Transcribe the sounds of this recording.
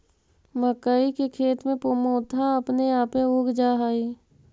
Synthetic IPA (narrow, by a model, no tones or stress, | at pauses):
məkaːikekʰeːt̪mẽpomoːt̪ʰaəpneaːpẽoːɡd͡ʒaːɦaːiː